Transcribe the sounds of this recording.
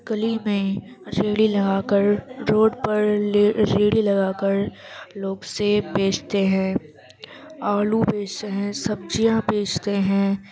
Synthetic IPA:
kəlimẽ | ɾeːɽilɐɡaːkəɾɾoːɖpɐɾɾeːɽilɐɡaːkəɾloːɡsebeːt͡ʃt̪eɦɛ̃ː | aːlubeːt͡ʃt̪eɦɛ̃ːsɐb̚d͡ʒijãbeːt͡ʃt̪eɦɛ̃ː

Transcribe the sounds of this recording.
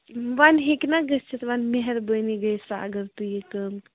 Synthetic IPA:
ʋanɦeknaɡəst͡ʃʰit̪ʋanmeɦɛɾbəjniɡəjsaə̰ɡəɾt̪ujekəmk

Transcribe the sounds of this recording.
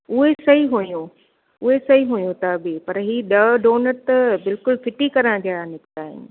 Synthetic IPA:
ʊɦesɐɦiɦujũ | ʊɦesɐɦiɦujũt̪ʰabɪpɐɾɦiːɗɐɖoːnəɾt̪ɐbɪlkʊlfɪʈikɐɾə̃ɽ̃d̪ʱiaɽãnɪkt̪aːɦɪ̰nɪ̆

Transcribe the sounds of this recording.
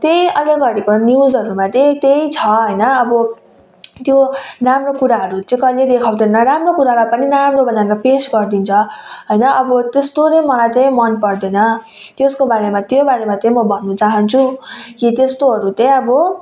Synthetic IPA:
t̪ejʌleɡʌɾikonjuzɦʌɾumat̪ʌ̃t̪eit͡sʰʌɦʌjnʌːbʌ | t̪joramrokuɾaɦʌɾut͡sʌ̃ĩkʌiled̪ekʰaw̃d̪ʱʌnʌɾamrokuɾalapʌninamrobʌnanʌpesɡʌrd̪int͡sʰʌɦʌjnʌʌbʌt̪est̪ot͡sʌjmʌlajt̪ʌj̃mʌnpʌrd̪ʌnʌ | t̪jeskobaɾemat̪jobaɾemat̪ʌ̃j̃mʌbʱʌnːut͡saɦʌnt͡sʰukit̪est̪oɦʌɾut̪ʌ̃ʌbʌ

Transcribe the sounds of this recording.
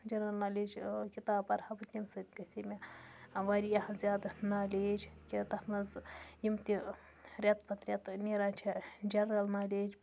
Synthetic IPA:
d͡ʒɐnɾɐlnaːlʲeːd͡ʒkit̪aːpɐɾhɐbɨt̪ʲimsɨt̪kɐsʲimʲaʋaːɾʲijɐhzʲjaːd̪naːlʲeːd͡ʒʲkʲit̪ɐxnɐzjimt̪i | ɾʲɐt̪pʰɐt̪ɾʲɐt̪nʲeɾaːt͡ʃʰid͡ʒɐnɾɐlnaːlʲeːd͡ʒ

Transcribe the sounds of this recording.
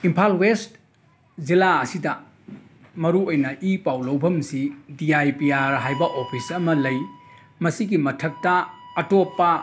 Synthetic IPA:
impʰalwest | zilaɐsidɐ | mɐɾuojnɐʔipawlɐwbʱɐmsidiajpiaɾɦajbɐʔopʰisɐmɐlɐj | mɐsiɡimɐtʰɐk̚tɐːtopːɐ

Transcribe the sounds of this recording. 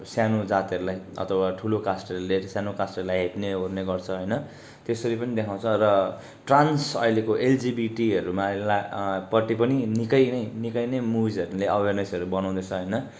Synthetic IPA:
sjanod͡zat̪iɦʌɾulajʌ̰t̪ʰʌwaʈʰulokasʈʌɾuleɾʌsjanokasʈʌɾulajɦepneɦorneɡʌrt͡sʰʌɦʌjnʌ | t̪esʌɾipʌnid̪ekʰaw̃t͡sʰʌrʌ | ʈransʌilekoʔeld͡zibiʈiʌɾumalapʌʈːipʌninikʌjnʌjnikʌjnʌjmubid͡zʌɾuleʔʌbʱernʌsʌɾubʌnaw̃d̪ʌt͡sʰʌɦʌjnʌ

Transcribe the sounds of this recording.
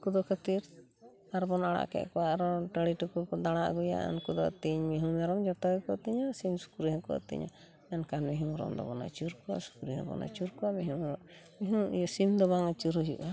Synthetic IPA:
kud̪ɔkʰət̪iɾ | aɾbɔnaɽa̰ʔkɛ̰ʔkɔwaʔɾɔʈəɽiʈupud̪aɽ̃aʔɡuja̰ʔa̰nkud̪ɔt̪iɲmiɦumaɾɔmd͡ʒɔt̪ɔjkɔʔt̪iɲɔsimsu̥kuɾiɦɔ̃kɔ̰ʔt̪ḭɲɔ̰ | ɛnkanmiɦumɾɔ̰md̪ɔ̰bɔ̰na̰t͡ʃuɾkɔwa̰su̥kuɾiɦɔ̰bɔ̰na̰t͡ʃuɾkɔwamiɦuɾɔ | miɦũjɔsimd̪ɔbaŋat͡ʃuɾujuʔa

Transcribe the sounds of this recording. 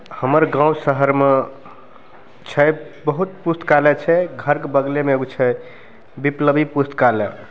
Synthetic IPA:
həməɾɡãwsəɦəɾme | t͡ʃʰɛbəɦut̪pust̪kalɛt͡ʃʰɛɡʱəɾkebəɡlemeɡt͡ʃʰɛ | bipləbipust̪kalɛ

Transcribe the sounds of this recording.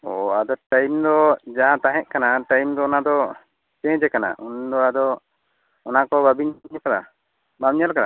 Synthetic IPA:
ɔad̪ɔʈajmd̪ɔd͡ʒaɦãt̪aɦɛ̃ʔ̚kanaʈajmd̪ɔɔnad̪ɔ | t͡ʃɛ̃d͡ʒɛkana̰ʔund̪ɔad̪ɔ | ɔnakɔbabiɲɲakad̪a̰ | bamɲalkad̪a̰

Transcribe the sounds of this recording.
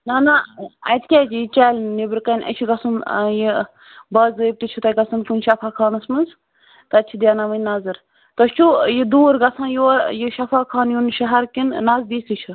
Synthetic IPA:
nanaɐ̰jt̪ʰkʲɛːt͡ʃijit͡ʃaːlnibɾkɐnʲʔɐ̰t͡ʃʰiɡɐsunji | bɐːzəːjb̚t̪it͡ʃʰut̪ɐɡɐsɨnkʲunʃɐpʰaːkʰaːnɐsmɨnz | t̪ɐɐt͡ʃʰid̪ʲjaːnaʋənʲnazɨɾ | t̪ɐst͡ʃʰujid̪uːɾɡɐsʰãːjuɾjiʃɐfʰaːkʰaːnjunʃɐɦɐɾkinnaːzb̪iːst̪it͡ʃʰu

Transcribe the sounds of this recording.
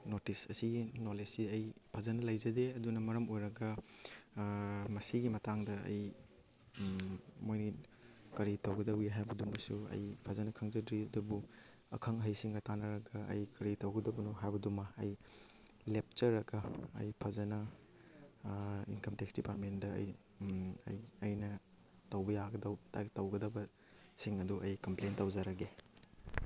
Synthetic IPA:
notisɐsiɡinolesiɐjpʰazɐnɐlɐjzɐdeɐdunɐmɐɾɐmojɾɐɡɐ | mɐsiɡimɐtaŋdɐɐ̰j | mojni | kɐɾitɐwɡɐdɐwiɦajbɐdumɐsuɐ̰jpʰazɐnɐkʰɐŋzɐdɾiɐdubu | ɐ̰kʰɐŋɦɐjsiŋɡɐtanɐɾɐɡɐɐ̰jkɐɾitɐwɡɐdɐbɐnuɦajbɐdumɐɐj | lep̚t͡ʃɐɾɐɡɐ̰ːjpʰɐzɐnɐ | ḭnkɐmteksdipaɾt̚mendɐɐ̰j | ɐ̰jɐjnɐ | tɐwbɐjaɡɐdɐwtatɐwɡɐdɐbɐ | siŋɐduʔɐjkɐmplejntɐwzɐɾɐɡe

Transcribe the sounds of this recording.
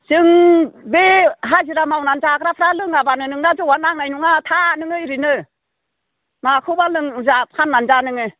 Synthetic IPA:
z̥ɯŋbeɦaziɾamawnanzakɾapʰɾalɯŋabanɯnɯŋnazɯwanaŋnajnuŋatʰanɯŋɯiɾinɯ | makʰɯbalɯŋzap̚kʰanːanzanɯŋɯ

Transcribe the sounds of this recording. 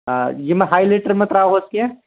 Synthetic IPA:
jemɛ̃ɦaːileːʈəɾmẽt̪ɾaːɦoskiɛ̃

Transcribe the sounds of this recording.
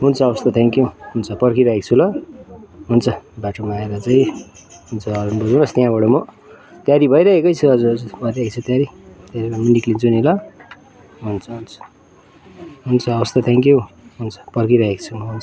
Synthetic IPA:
ɦunt͡sʰʌʌwʌst̪ʌt̪ʰeŋkjuɦunt͡sʰʌpʌrkiɾʌɦek̚t͡sʰulʌ | ɦunt͡sʰʌbaʈʰomaːeɾʌt͡saĩ | ɦunt͡sʰʌʌɾunbud͡zanʌst̪jɦãbʌɽʌmʌ | t̪jaɾibʱʌjɾʌɦekʌjt͡sʰuʌd͡zuʌd͡zubʱʌaɦekt͡sʰut̪jaɾit̪jaɾiɾaminiklint͡sunilʌ | ɦunt͡sʰʌɦunt͡sʰʌ̥ | ɦunt͡sʰʌʌβʌst̪ʌt̪ʰeŋkjuɦunt͡sʰʌ̥pʌrkiɾʌɦekt͡sʰumʌɦunt͡sʰʌ̥

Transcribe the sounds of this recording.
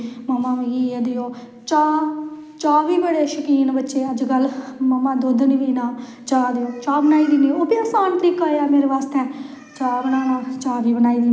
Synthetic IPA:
mamãːʋiɡiːeːd̪eoː | t͡ʃaː | t͡ʃaːʋiːbəɽeːʃəkiːnbətːʃeːəd͡ʒkəlmaːmãːd̪oːd̪niːʋiːnaː | t͡ʃaːd̪eoːt͡ʃaːbənaːiːd̪iːnioːpiəsaːnt̪əɾiːkaːeaːmeːɾeːʋaːst̪ɛ̃ː | t͡ʃaːbənaːnaːt͡ʃaːʋiːbənaːiːd̪iː

